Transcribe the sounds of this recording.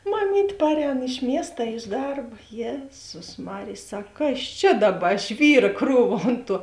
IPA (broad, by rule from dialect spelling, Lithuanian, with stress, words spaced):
mɐˈmʲiːtʲ ˈpɑːrʲˌɛːn ɪʃ ˈmʲiɛst ɐ ɪʃ ˈdɐrp ˈjeːzʊs ˈmɑːrʲeːj ˈsɐk ˈkɐs ˈt͡ʃʲɛ ˈdɑːˌbɐ ˈʒʲʋʲiːrɐ ˈkruːʋɐ ˈoːnt ˌtuɔ